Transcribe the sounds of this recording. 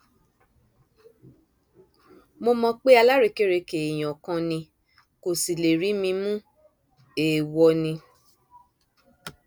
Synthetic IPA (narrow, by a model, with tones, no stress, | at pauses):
mo˧mɔ̃˧k͡pe˦a˧la˦ɾe˧ke˦ɾe˧ke˨i˨j̃ɔ̃˨kã˧nĩ˧ | ko˨si˨le˨ɾi˨˦mĩ˧mũ˦ | e˨wɔ˧nĩ˧